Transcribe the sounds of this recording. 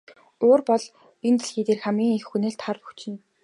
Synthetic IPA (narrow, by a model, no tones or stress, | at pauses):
oːrpɔɮ | int̪ɘ̆ɮxiːt̪eːrxæmɡʲiːŋixːuneːɬt̪ʰarpuxt͡ɕɪ̆n